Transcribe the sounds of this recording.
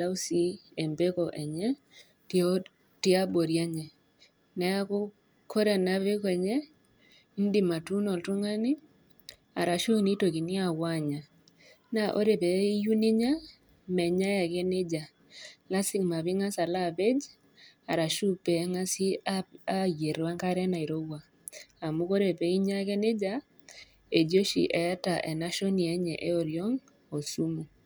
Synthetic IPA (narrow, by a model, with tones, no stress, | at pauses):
da˦wsi˦e˨mbe˦kɔ˨ʔɛ˨ɲɛ˦ | tɪ˦a˦bo˨ɾja˦ɲɛ˨ | nɛ˨a˦kʊ˦ | kʰo˦ɾe˨na˦βe˦kɔɛ˨ɲɛ˦ | i˦ndi˦˨ma˨tu˦nɔ˨ltu˦ŋa˦nɪ˦ | a̰˨ɾa˨ʃu˦ni˦to˨ki˨nɪ˦a˨wa˦ɲa˨ | na˨ʔo̰˦ɾe˨pɛ˨˦ju˦ni˦ɲa˦ | mɛ˨ɲa˦ja˨ɡe˦nɪ˦d͡ʒa˨ | la˦sɪ˦kma˨βi˦ŋa˦sa˨la˦˨be˦d͡ʒ | a˨ɾa˨ʃu˦pe˨˦ŋa˦si˦a˦je˨ɾwa˦ŋka˦ɾɛ˦na˨i˨ɾo˦wa˨ | a˨mu˦ko˦ɾe˨pe˨˦i˦ɲa˦ɡe˦nɪ˦d͡ʒa˦ | e˨d͡ʒo˦ʃḭ˨ʔɛ˨a˦ta˨ʔe˨na˦ʃo˦ni˨ɛ˦ɲɛ˨ʔe˦o˦˨ɾjo˦ŋ | o˨su˦mo˨